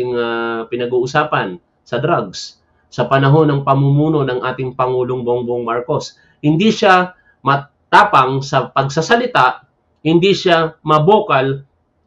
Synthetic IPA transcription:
ɪŋapɪnɐɡuːʔʊsaːpɐn | sɐd̪ɾaɡ̚s | sɐpɐnɐɦo̞nɐŋpɐmumuːno̞nɐŋʔaːt̪ɪŋpɐŋuːloŋboŋbŋmaɹko̞s | hɪnd̪iʃa | mɐ | t̪aːpɐŋsɐpɐɡ̚sasɐlɪt̪aʔ | hɪnd̪iʃamɐboːkɐl

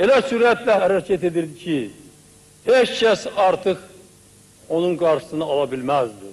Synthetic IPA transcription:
e̞læsuɾæt̪læɦæɾæcʰæt̪e̞d̪iɾd̪icʰi | het͡ʃcʰæsɑɾt̪ʰɯχ | o̞nunɡɑɾʃɯ̥sɯnɑːlˠɑbilmæzd̪ɪ

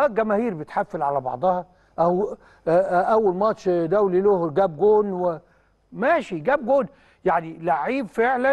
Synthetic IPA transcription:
æɡæmæhiːɾbet̪ħafːelʕalæbɑ̰ʕd̪ˤɑhɑ | ʔæw | ʔæwːælmɑt̪ʃd̪æwlilohɾɡæːb̚ɡoːnwe | mæːʃiɡæːb̚ɡoːn | jaʕnilaʕiːbfeʕlæ

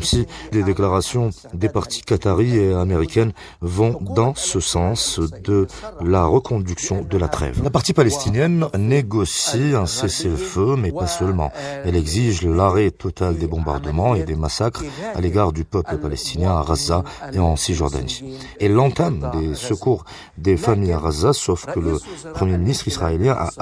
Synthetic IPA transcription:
msid̪ed̪eklaʁasjɔ̃ | d̪epaʁt̪i̥kat̪aʁieameʁikʲɛn | vɔ̃d̪ɑ̃səsɑ̃sd̪əlaʁəkʰɔ̃d̪yksjɔ̃d̪əlat̪χɛ̰vlapaʁt̪ipalɛst̪injɛnːeɡɔsiɛ̃seseləfømɛpasœlmɑ̰̃ɛlɛɡziʒlaʁɛt̪ɔt̪ʰald̪ebɔ̃ba̰ʁd̪əmɑ̃ed̪emasakχa̰leɡaʁd̪ypœpləpalɛst̪ʰinjɛ̃aʁazaeɑ̃siʒɔʁd̪a̰ni | ɛlːɑ̃t̪amd̪esəkuʁ | d̪efamijaʁazasɔfkələpχəmjeminist̪χisχaeljɛ̃ʔa̰

